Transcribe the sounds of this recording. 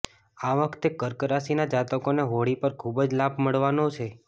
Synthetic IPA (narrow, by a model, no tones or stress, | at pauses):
aʋəkʰt̪ekəɾkəɾasinad͡ʒat̪əkoneɦoɽipəɾkʰubd͡ʒlabʱməɭʋanot͡ʃʰe